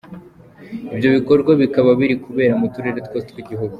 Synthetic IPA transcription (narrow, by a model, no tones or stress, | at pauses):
ibjo̞βiko̞ɾɡwaβikaβaβiɾikʰuβe̞ːɾamutuɾe̞ɾetkwositwiɟiɦuɡu